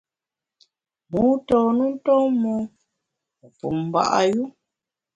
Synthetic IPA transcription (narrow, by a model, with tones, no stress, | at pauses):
mu˦tɔː˨nu˦n̩˦tɔ˦mɔ˦˨ | pṵ˨m̩˨ba̰˦ʔa˦ju˦